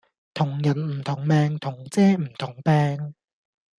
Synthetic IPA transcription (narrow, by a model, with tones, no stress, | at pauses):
t̪ʰʊ˨˩ŋjɐ˨˩nm̩˨˩t̪ʰʊ˨˩ŋmɛː˨˧ŋt̪ʰʊ˨˩ŋt͡sɛː˥m̩˨˩t̪ʰʊ˨˩ŋpɛː˧ŋ